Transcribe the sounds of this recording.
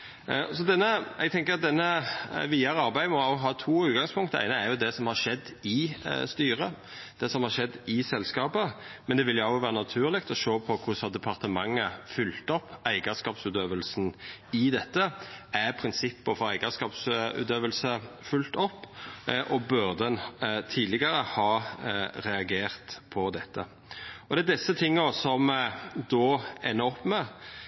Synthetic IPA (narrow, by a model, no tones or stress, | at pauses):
sɔd̪ɛnːəɛɡt̪ʰɛŋkəɾɑt̪̚d̪ɛnːəʋiːəɾəɑɾbæɪmɔʊɦɑːt̪ʰuːʉːt̪̚ɡɑŋspʰʊŋkt̪əæ̰ɪnəæɾjʊd̪ɛsɔmhɑɾʂɛd̪ːɪst̪yːɾə | d̪̥ɛsɔmhɑɾʂɛd̪ːɪsɛlskɑːpəmɛnd̪ɛʋɪljʊɑʊʋæːɾənɑt̪ʰʉːɾlɪk̚t̪ɔʃoːpʰɔkʰʊsɑd̪ɛpʰɑʁt̪əmɑŋːəfʏlt̪ɔpːæɪɡəskɑːpsʉːt̪øːʋəlsnɪd̪ɛt̪ːəæɾpʰɾɪnsɪpːəfɔɾæɪɡəskɑːpsʉ̰ːt̪øːʋəlsə | fʉlt̪ɔpːʔɔbœɾd̪ɛnt̪ʰiːd̪lɪɡəɾəhɑːɾɛɑɡeːɾt̪pʰɔd̪ɛt̪ːə | ɔd̪ɛæːd̪ɪsːət̪ʰɪŋːɔsɔmd̪ɔːæ̰ɪnːəɔpːmɛ